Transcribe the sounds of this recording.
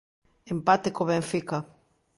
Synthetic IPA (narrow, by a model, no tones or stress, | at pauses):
empat̪ekoβeɱfika